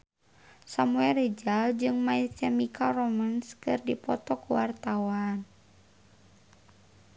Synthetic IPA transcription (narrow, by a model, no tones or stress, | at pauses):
samuɛlred͡ʒald͡ʒɨŋmait̪ɛmikʰarɔmanskɨrdipɔt̪ɔkuwart̪awan